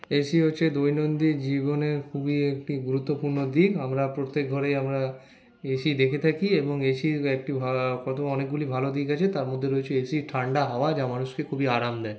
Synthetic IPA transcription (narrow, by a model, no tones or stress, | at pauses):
eʃiɦotːɕʰed̪ojnond̪iɾd͡ʑiβoneɾkʰubiek̚ʈiɡuɾut̪ːopuɾnod̪ikamɾapɾot̪ːek̚ɡʱɔɾejamɾa | eʃid̪ekʰet̪ʰakieboŋeʃiek̚ʈibʱakɔt̪ʰoɔnek̚ɡulibʱalod̪ikat͡ɕʰet̪aɾmod̪ʱːeɾojet͡ɕʰeeʃiʈʰaɳɖaɦaoad͡ʑamanuʃkekʰubiaɾamd̪ɛe